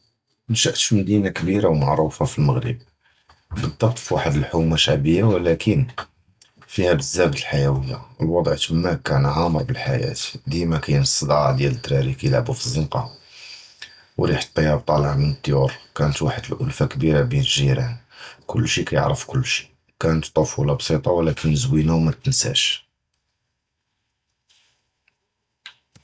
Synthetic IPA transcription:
ənʃəʔt̪ʃməd̪inakbiɾawmaʕɾˤufafilməɣɾə̰b̚ | bəd̪ˤːɑbt̪ˤfwaħəd̪əlħumaʃaʕbəjːawlækʰən | fihæbəzːæbət̪əlħajæwəjːa̰əlwɑd̪ˤʕt̪mːækːænɦæmɑbəlħajæ̰t̪d̪imækæjnsˤːəd̪ˤɑʕd̪jælət̪ːɾæɾikæjəlʕbufizːənqɑ | wɾiħə̥t̪ˤːɑjɑb̚t̪ˤɑləʕmənət̪ˤːjuɾkænət̪waħəd̪əlʔʊ̰lfakəbiɾabinəlʒiɾænkʊlːʃikæjə̰ʕɾəfkʊlːʃi̥ | kænət̪ˤːɑfulɑbsˤit̪ˤɑwlækənːəzwinæwmæt̪ənsæ̰ʃ

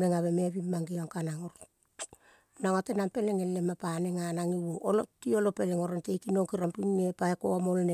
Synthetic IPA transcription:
eŋaβe̞me̞βimːaŋɡiaŋkanaŋoɾ | naŋatenampe̞leŋelːemapaneŋanaŋiwoolotio̞lope̞leŋo̞ɾentejkinoŋkiɾampiŋnepaeko̰amolne

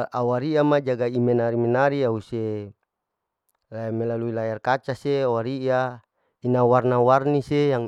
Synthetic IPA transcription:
awaɾiamad͡ʒaɡaimenaɾimenaɾiause | lamelaluilajarkat͡ʃaseawaɾia | inawarnawarnisejaŋ

